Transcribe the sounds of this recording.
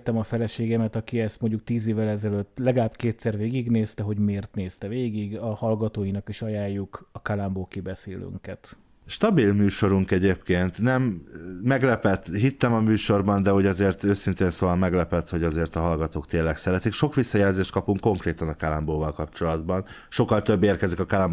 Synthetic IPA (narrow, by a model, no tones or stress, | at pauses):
t̪ːɛmɒfɛlɛʃeːɡɛmɛt̪ɒkiɛst̪mo̞ɲɟuk̚t̪iːzeːvːɛlɛzɛløt̪ːlɛɡlaːbkeːt̪sɛrveːɡiɡneːst̪ɛɦo̞ɟmeːrt̪neːst̪ɛveːɡiɡɒhɒlɡɒt̪oːjinɒkiʃɒjaːjːukɒkalamboːkibɛseːly̰ŋkɛt̪ | ʃt̪ɒbilmyːʃo̞ɾuŋkɛɟeːpkeːnt̪nɛmːɛɡlɛpɛt̪ɦit̪ːɛmɒmyːʃo̞rbɒnd̪ɛɦoɟɒzeːrt̪øːsint̪eːnsoːvɒlmɛɡlɛpɛt̪ho̞ɟɒzeːrt̪ɒɦɒlɡɒt̪oːkt̪eːlɛksɛɾɛt̪ikʃo̞kʋisːɒjɛlzeːʃt̪̚kɒpuŋkːo̞ŋkreːt̪ɒnɒkalamboːvɒlkɒpt͡ʃo̞lɒd̪bɒn | ʃo̞kːɒlt̪ø̞bːeːrkɛzikɒkalam